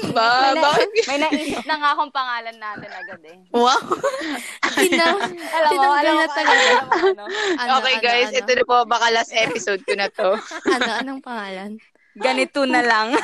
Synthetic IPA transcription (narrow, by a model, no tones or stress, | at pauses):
babaːkɪt̪̚mɐjnɐʔiːssɪp̚nɐŋaɐkoŋpɐŋaːlɐnːat̪ɐnɐɡad̪ɛ | waw | inɐlɐaɐlɐɐɐnoʔoːkɛjɡajsʔɛt̪od̪ɐpobɐkalasʔɛːpɪsod̪̚konɐt̪oɐnɐŋpɐŋaːlɐn | ɡɐnɪt̪onɐlɐŋ